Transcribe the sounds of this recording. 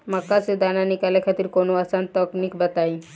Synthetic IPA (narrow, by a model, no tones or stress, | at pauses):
makːased̪ananikalekʰat̪iɾkonoasant̪ɔknikbat̪aj